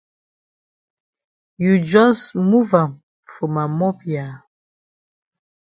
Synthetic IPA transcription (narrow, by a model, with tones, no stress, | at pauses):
ju˨d͡ʒɔ˦smu˦vã˨m | fɔ˨ma˨mɔ˦pja˨